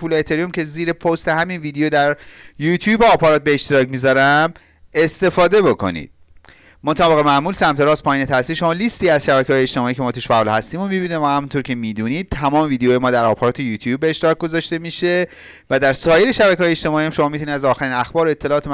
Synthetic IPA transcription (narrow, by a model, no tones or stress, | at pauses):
puleet̪ʰeɾiumcʰe̞ziːɾe̞pʰost̪e̞ɦæminviːd̪eod̪æɾjut̪ʰjuːbɒːpʰɒɾɒːt̪̚be̞ːʃt̪eɾɒːcmizɒɾæm | e̞st̪e̞fɒːd̪e̞bo̞kʰo̞̰nḭd̪̥̚ | mot̪ʰæbeɣemæʔmuːlsæmt̪e̞ɾɒːspʰɒːjiːneæsiːɾʃo̞mɒːlist̪iːæz̥ʃæbækʰeɒːjeːʃt̪e̞mɒːiːcʰemɒːt̪uʃfæɒːlhæst̪iːmomibiːnevæhæmunt̪ʰoɾkcʰe̞miːd̪uːniːd̪̥̚t̪ʰæmɒːme̞viːd̪ejojemɒːd̪æɾɒːpʰɒɾɒːt̪ʰe̞juːt̪ʰjuːbːeːʃt̪eɾɒk̚ɡo̞zɒʃt̪e̞miːʃe̞ | væd̪æɾsɒːje̞le̞ʃæbæcʰeɒːjeʃt̪e̞mɒːijæmʃo̞mɒːmit̪unid̪æzɒːxæɾiːnæxbɒːɾoe̞t̪ʰːe̞lɒːt̪em